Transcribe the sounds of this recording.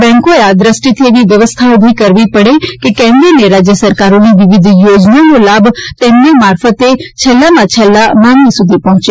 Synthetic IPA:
bɛ̃ŋkoead̪ɾəsʈit̪ʰieːʋiʋjɐʋəst̪ʰaobʱikəɾʋipəɽekekɛ̃mɾineɾad͡ʒjəsəɾkaɾoniʋɪʋɪd̪ʱjoːd͡ʒnanolaːbʱt̪emnemaːɾfət̪et͡ʃʰɛlːamãt͡ʃʰɛlːamãŋɡisud̪ʱipɔ̃ɦʊ̃t͡ʃe

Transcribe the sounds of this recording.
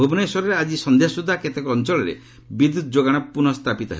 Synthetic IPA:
bʱobɔneswɔɾɔɾead͡ʒisɔnd̪ʱjasud̪ʱːaket̪ekɔɔnt͡ʃɔɭɔɾḛ | bid̪ud̪ʰɔd͡ʒoɡaɽ̃ɔpunɔst̪ʰapit̪ɔɦḛ

